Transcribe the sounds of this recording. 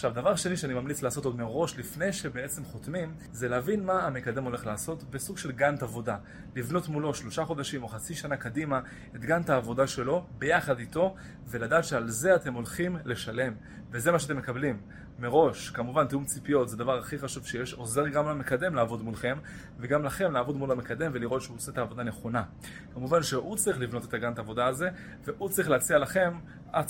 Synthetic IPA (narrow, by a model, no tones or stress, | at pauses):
aʃavd̪avaʁʃe̞niʃeanimamlit͡slaːsotod̪meʁo̞ʃlifne̞jʃe̞beet͡se̞mχo̞t̪mim | zeleavinmaamekade̞mo̞le̞χlaːso̞t̪besuɡʃe̞lɡant̪avo̞da | livno̞tmulo̞ʃlo̞ʃaχo̞d̪aʃimo̞χat͡siʃanakadima | et̪ɡant̪aːvo̞daʃe̞lo̞be̞jaχad̪ito̞ | ve̞ladaːt̪ʃealze̞ate̞mo̞lχimle̞ʃale̞m | vezemaʃ̬eateme̞kablimː | eʁo̞ʃkamuvanteumt͡sipijo̞tzed̪avaʁaχiχaʃuv̥ʃejeʃo̞ze̞ʁɡamlame̞kad̪e̞mlaːvo̞d̪mulχe̞m | veɡamlaχe̞mlaːvo̞dmulamekad̪e̞mveliʁo̞t̪ʃeuoset̪aːvo̞d̪ane̞χo̞na | kamuvanʃeʔut͡sʁiχlivno̞t̪e̞t̪aɡant̪aːvo̞d̪aːze̞ | ve̞ʔut͡sʁiχleat͡sialaχe̞m | ʔa